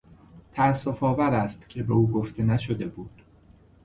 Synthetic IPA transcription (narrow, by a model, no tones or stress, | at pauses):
t̪ʰæːsːo̞fɒːvæɾæst̪cʲʰe̞beuːɡoft̪ʰe̞næʃod̪e̞buːd̪̥